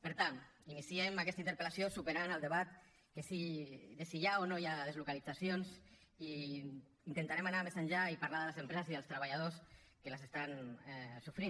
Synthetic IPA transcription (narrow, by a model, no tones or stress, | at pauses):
peɾt̪aninisiemakɛst̪aint̪əɾpelasiosupeɾanalˠd̪eβat̪ | kesiðesiʎaonojaðezlukalid͡zasjons | i | int̪ent̪aɾemanamesaɲʲʒaipaɾlaðələzempɾezəsiðəlst̪ɾəβaʎað̞os | kelasest̪anɛsufɾin